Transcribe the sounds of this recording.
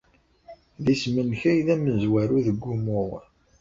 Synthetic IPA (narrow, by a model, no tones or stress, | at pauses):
ðismənçæjðæməzwæɾuðəɡʷːumʊʁ